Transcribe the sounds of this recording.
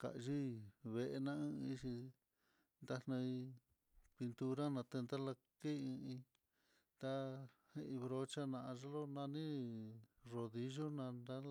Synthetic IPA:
ka̰˨˧ʒi˦βe˧ʔe˧nã˦ɨ̃˦˧i˦˧ʂi˧ | nd̪a˧n̥ã˧i˧ | pi˧nt̪u˧ɾa˦nã˧t̪e˧nd̪a˦la˧ | ke˦˧ĩ˧ĩ˧ | t̪a˧he˦˧ʔĩ˧βɾo˧t͡ʃa˦nã˧a˧ʐa˦lo˦nã˧nĩ˦ | ro˧ði˧ʒo˦nã˧nd̪a˦˧

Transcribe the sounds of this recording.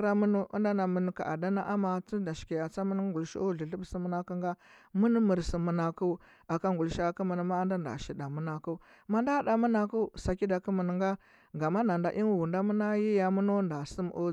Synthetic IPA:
ɾa˦mu˦nu˦ṵ˦nda˦na˨mə˨n˦ka̰˨ʔa̰˨da˦na˦ʔa˦ma˨t͡si˦da˨ʃi̥˨ki˨ja˨t͡sa˦mə˦n˦ŋɡu˨lʃḭ˦o˦˨ɮi˨ɬə˦bsi˦mə˦na˦ku˦ŋɡa˦mu˦n˦mə˨ɾsi˨mu˨na˨ku˦ | a˨ka˦ŋɡu˨lʃi˦a˦ku˦mə˨n˦ma˦nda˦nda̰˨ʃi˨da˨mu˦na˨ku˦ | ma˦nda˦da˨mə˦na˨ku˦sa˨ki˦da˨kə˦mə˨n˨ŋɡa˦ | ɡa˨ma˦na˨nda˨ʔi˦n˨wu˨nda˦mə˦na˦ji˦ja˨mu˦no˦nda˨si˦m˦ʔo˦

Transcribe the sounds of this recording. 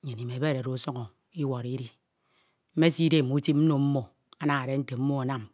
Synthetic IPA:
ɲe˨ni˨me˨be˦˨ɾe˨ɾo˨˦so˦ŋɔ˨ | i˦wɔ˨ɾi˦ɾi˦ | m̩˦me˦si˦de˦˨mu˦ti˦pm̩˦no˨m̩˦mo˨ | a˦na˨ŋa˨ɾe˦n̩˦te˨m̩˦mo˦a˨na˦m

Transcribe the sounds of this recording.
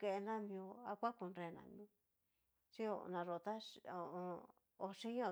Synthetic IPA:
ke˧ʔe˧nã˦mĩ˧o˧a˧kʷa˦ku˧nɾe˧˨nã̰˨mi˧ | ʂi˦o̰˧nã˧ʐo˧˨t̪a˦o˧o˧ | o˧ʂĩ˦ɲ˦õ˧

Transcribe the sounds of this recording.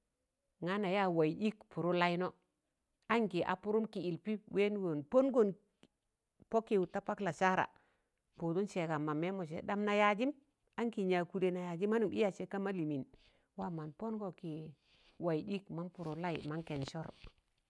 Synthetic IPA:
ŋa˦na˨ja˦wa˨i˨ɗi˦kpu˨ɾu˦la˦i˦no˦ | a˦ŋki˨ʔa̰˨pu˦ɾu˦mki˨i˨lpi˦we˦n˦ɡo˨npo˦nɡo˦˨n | po˦ki˦˨wu˨ta˦pa˦kla˨sa˦ɾa̰˨ | po˨tu˦nse˨ka˨ma˨me˦mo˨s̬ḛ˨da˦mna˨ja˦d͡ʒi˦m | a˦ŋki˨ɲa˨ku˨de˨na˨ja˨d͡ʒi˦ma˦nu˨˦ḭ˦ja˨se˨ka˦ma˦li˨mi˨n | wa˦ma˨npo˦nɡo˨ki˨ | wa˨i˨ɗi˦kma˦npu˨ɾu˦la˦ḭ˨ma˦ŋke˨nsɔ˦ɾ

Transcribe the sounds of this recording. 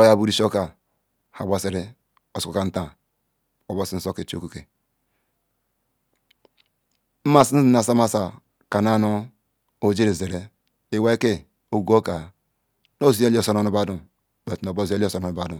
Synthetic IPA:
o˦ja˦bu˦ɾi˦ʃo˦ka˨ | ha˨ɡ͡ba˨si˨ɾi˦ | o˨so˨ka˨n̩˦ta˨ | o˨bo˦˨si˦n̩˦so˦ke˨t͡ʃo̰˦ku˦ke˨ | m̩˦ma˦˨si˦n̩˦i˦na˨sa˦ma˦sa˨ | ka˨na˦no˦ | o˨d͡ʒi˦ɾe˨ze˨ɾe˦ | e˨we˦ke˦ | o˨ɡu˦o˦ka˨ | no˦˨zi˦e˦lo˦˨so˦no˦nu˦ba˦du˦ | be˨tno˨bo˦zi˦e˦lo˦so˨no˨nu˨ba˨du˨

